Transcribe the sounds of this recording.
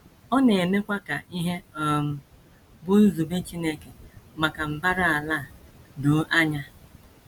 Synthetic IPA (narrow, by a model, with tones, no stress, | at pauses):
ɔ˦ne˨me˦kʷa˦ka̰˨ʔi˦ɦe˦ɔ˦m̩˨ | bʊ˦n̩˦zu˨be˦t͡ʃi˦ne˦ke˨ma˨ka˨m̩˨ba˦ɾa˦a˨laː˦˨do˨˦ʔa˦ɲa˦